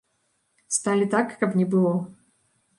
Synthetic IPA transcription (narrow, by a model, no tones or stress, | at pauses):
st̪alʲit̪akːɐpnʲɛbɨlˠɔ